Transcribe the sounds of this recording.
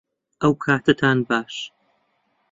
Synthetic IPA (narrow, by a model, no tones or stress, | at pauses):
ʔɐwpkʰaːt̪ʰɐt̪ʰaːnbaːʃ